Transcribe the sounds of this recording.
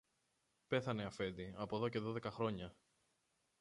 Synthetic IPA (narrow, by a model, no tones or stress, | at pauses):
pe̞θɐne̞ɐfe̞d̪iɐpo̞ðo̞ce̞ðo̞ðe̞kɐxɾo̞ɲɐ